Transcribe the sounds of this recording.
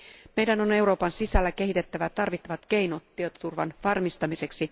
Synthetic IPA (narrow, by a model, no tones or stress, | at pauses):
me̞jdæno̞ne̞wɾo̞ːpɑnsisælːæk̟e̞ɦit̪e̞t̪ːæʋæt̪ɑrʋit̪ːɑʋɑt̪ke̞jnot̪ːiøt̪ot̪urʋɑ̰nʋɑrmist̪ɑmise̞ksi